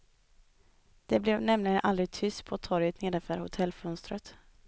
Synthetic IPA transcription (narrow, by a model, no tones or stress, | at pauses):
d̪̥ɛblɛvnɛmlɪɡənʔald̪ɾɪɡ̚t̪ʰʏst̪pʰɔːt̪ʰɔɾjət̪neːd̪ɛfəɾhʊt̪ʰɛlːfɵnst̪ɾət̪